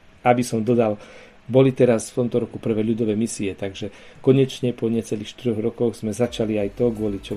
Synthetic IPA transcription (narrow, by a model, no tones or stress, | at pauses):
abisɔmd̪ɔd̪al | bɔlit̪ɛɾasft̪ɔmt̪ɔɾɔkupr̩ʋɛːʎud̪ɔʋɛmisiɛt̪aɡʒɛkɔɲɛt͡ʃɲɛpɔɲɪɛt͡sɛliːxʃt̪iɾɔɣɾɔkɔɣz̥mɛzat͡ʃaliajt̪ɔɡʊɔlit͡ʃɔ